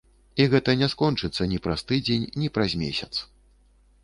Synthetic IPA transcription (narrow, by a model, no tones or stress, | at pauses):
iɣɛt̪ɐnʲɛskɔnt͡ʂɨt̪sːɐnʲipɾast̪ɨd͡zʲenʲnʲipɾɐzʲmʲḛsʲɐt̪s